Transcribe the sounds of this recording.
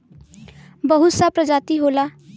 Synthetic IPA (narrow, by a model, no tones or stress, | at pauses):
bəɦut̪sapɾəd͡ʒaːt̪iɦola